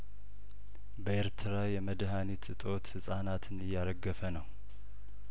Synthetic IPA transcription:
bəeɾt̪ʰɨɾajɛməd̪ɦanit̪ɨt̪ʼo̞t̪hɨsʼanat̪ʰɨnɨjːaɾəɡːəfənəw

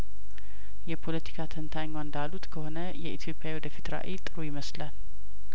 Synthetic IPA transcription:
jɛpʰo̞lət̪ʰi̥kʰat̪ʰənt̪ʰaɲːwand̪alːut̪kʰəho̞nəjɛʔit̪ʰjo̞pʼjawiwɔd̪əfit̪ɾa̰ʔit̪ʼːɨɾujɪməslal

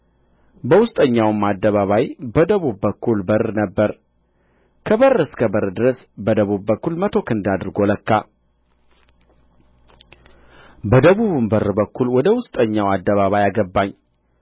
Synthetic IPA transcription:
bəwʊst̪ʼəɲːawɨmːad̪ːəβaβajbəd̪əβubbəkʰːulbərnəbːəɾ | kʰəβərːɨskʰəbəɾɨd̪ɨɾəs | bəd̪əβubːəkːulmət̪ʰo̞kɨnd̪ad̪ɨɾɡo̞ləkːa | bəd̪əβuβɨmbəɾbəkʰːulwɔd̪əwʊst̪ʼəɲːawad̪ːəβaβajaɡəbːaɲː

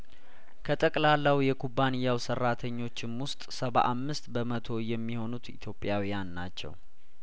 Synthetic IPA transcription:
kʰət̪ʼəkʼlalːawjɛkʰubanɨjːawsərːat̪ʰəɲːo̞t͡ʃːɪnwʊst̪ʼsəβa̰ʔamːɨst̪bəmət̪ʰo̞jɛmːiho̞nut̪ḭt̪ʰjo̞pʼjawijanːat͡ʃːɛ̰w

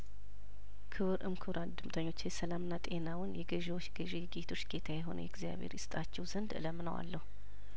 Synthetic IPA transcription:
kʰɨβɨɾʔɨmkʰɨβɾʔand̪ɨmt̪ʰəɲːo̞t͡ʃːjɛsəlamɨnːat̪ʼe̞nawʊnjɛɡəʒewot͡ʃːɡəʒejɛɡet̪ʰo̞t͡ʃːɡe̞t̪ʰajɛɦo̞̰nə̰jɛɡzija̰βhḛɾjɪst̪ʼat͡ʃːɛwzənd̪ɨ̰ləmːɨnəwa̰lːəhu

